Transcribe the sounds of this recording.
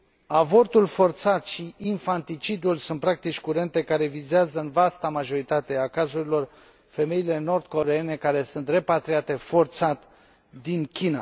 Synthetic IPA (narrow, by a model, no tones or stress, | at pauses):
avo̞rt̪ulfo̞rt̪sat̪ʃiʔinfant̪it͡ʃid̪ulsunt̪̚pɾak̚t̪it͡ʃʲkuɾe̞nt̪e̞kaɾe̞vizeazəɨnvast̪amaʒo̞ɾit̪at̪e̞akazuɾilo̞r | fe̞me̞ile̞no̞rd̪ko̞ɾe̞e̞ne̞kaɾe̞sunt̪re̞pat̪ɾiat̪e̞fo̞rt̪sat̪ | d̪inkʲina̰